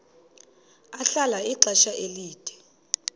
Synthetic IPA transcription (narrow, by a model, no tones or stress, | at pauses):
aɬalaiǀɛʃaʔeliːd̥ʱɛ̥